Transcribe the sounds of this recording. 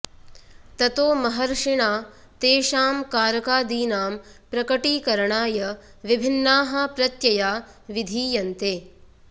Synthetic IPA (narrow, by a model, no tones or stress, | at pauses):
t̪ɐt̪oːmɐɦɐɾʂiɳaː | t̪eːʃaːmkaːɾɐkaːd̪iːnaːmpɾɐkɐʈiːkɐɾɐɳaːjɐʋibʱɪnːaːɦɐpɾɐt̪jɐjaː | ʋid̪ʱiːjɐnt̪eː